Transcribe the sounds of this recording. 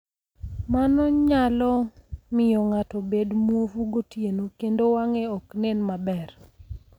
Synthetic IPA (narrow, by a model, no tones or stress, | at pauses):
manɔɲalɔmɪjɔŋatɔbedmwofuɡotjenokendowaŋɛɔknenmabɛr